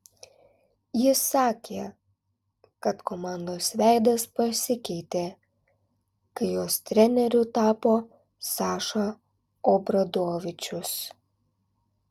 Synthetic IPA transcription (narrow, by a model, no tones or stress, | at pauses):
jɪsɑːkʲeː | kɐt̪kɔmɑˑnd̪oːsʋʲæˑɪd̪ɐspɐsʲɪkʲɛɪt̪ʲeː | kɐɪjoːst̪ʲɾʲɛnʲɛɾʲʊt̪ɑːpoː | sɑːʃɐ | oːbɾɐd̪oːʋʲɪt͡ʃʲʊs